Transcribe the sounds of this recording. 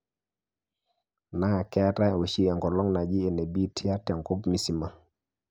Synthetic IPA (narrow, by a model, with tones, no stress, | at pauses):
na˦˨kɛ˦ta˦˨wo˨t͡ʃi˦ɛ˨ŋkɔ˨lɔ˦ŋna˨d͡ʒi˦e˨ne˨bi˦tʰi˦a˦tɛ˨ŋko˦pmi˨si˨ma˨